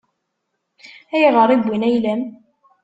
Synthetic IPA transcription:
æjʁəɾˤiɡʷːinæjlæm

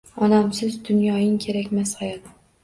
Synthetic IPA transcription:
ɒnamsɪzd̪ʊnjɒjɪŋkʲʰe̞ɾakʲmashajɒt̪

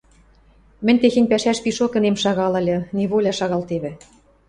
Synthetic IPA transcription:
mɘ̆nʲt̪exenʲpæʃæʃpiʃokɘ̆nemʃɑɣɑlɤ̆lʲɤ̆neβolʲɑʃɑɣɑlt̪eβɘ̆

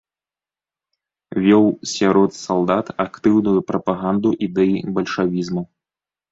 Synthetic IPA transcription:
vʲɔwsʲaɾɔt̪salˠd̪at̪akt̪ɨwnujupɾɐpaɣand̪uʔid̪ɛjibɐlʲʂavʲizmɐ

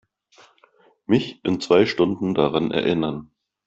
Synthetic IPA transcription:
mɪçʔɪnt͡sv̥aɪʃtʊndn̩daʁanɛ̰ɐʔɪnɐn

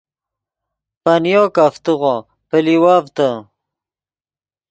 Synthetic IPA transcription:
pɐnjoːkaft̪uʁo | pəliwaːvt̪ə

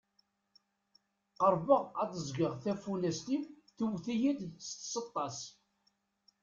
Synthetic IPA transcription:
qəɾˤbəʁæðəzɡəʁθæfulæst̪im | θuwθijid̪st̪sət̪ˤːɑs

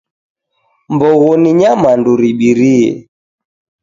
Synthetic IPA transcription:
mbɔɣɔniɲamanduɾiɓiɾiɛ̰

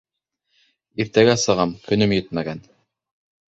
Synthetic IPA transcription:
iɾt̪æɡæsɤ̆ʁɑmkɵ̆nɵmjɘt̪̚mæɡæn

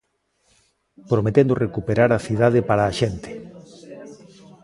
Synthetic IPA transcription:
pɾomet̪end̪orekupeɾaɾaθið̞að̞ɪpaɾaːʃent̪ɪ̥

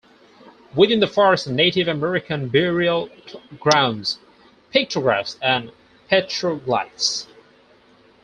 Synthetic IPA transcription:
wɪðɪ̃nðəfɔɹɨstneɪɾɪvɨmɛɹɨkʰɨ̃nbɪɹil̩ˠɡɹãʊ̃ndz̥ | pʰɪk̚tʰɹ̥əɡɹæfsɨ̃n | pʰɛt͡ʃʰɹ̥ola̰ɪts

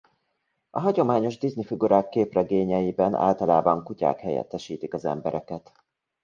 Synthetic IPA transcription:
ɒɦɒɟo̞maːɲo̞ʒd̪iznifiɡuɾaːkːeːprɛɡeːɲɛjibɛna̰ːlt̪ɒlaːbɒŋkuca̰ːkhɛjɛ̰t̪ːɛʃiːt̪ikɒzɛ̰mbɛɾʔɛkɛt̪

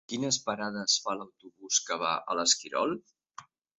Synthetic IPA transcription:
kinəspəɾaðəsfaləwt̪uβuskəβa̰ʔə̰ləskiɾɔ̰lˠ

